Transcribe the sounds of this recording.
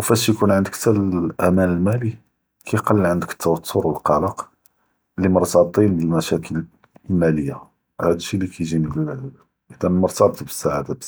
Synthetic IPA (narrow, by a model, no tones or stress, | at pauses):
wfæʃjkunʕənd̪əkt̪ːæʔæmænəlmæli | kʰæjqɑlːiʕənd̪əkə̥t̪ʰːɑwɑt̪ʰːoɾwəlqɑləq | liməɾˤt̪ɑb̚t̪ˤinbəlmæʃækʰəl | lmæləjːa | hæd̪əʃːilikʰæjʒinib | ʔəd̪ænlməɾˤt̪ɑbt̪bəsːaʕad̪ab